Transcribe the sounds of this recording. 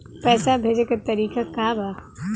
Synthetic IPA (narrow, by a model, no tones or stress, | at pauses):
pɛːsabʱeːd͡ʒekat̪ɐɾiːkakaːbaː